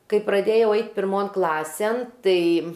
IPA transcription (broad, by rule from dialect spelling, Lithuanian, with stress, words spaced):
ˈkɐɪ prɐˈdʲeːjɛʊ ˈɐɪt pʲɪrˈmoːn ˈklˠɑːsʲeːn ˈtɐɪ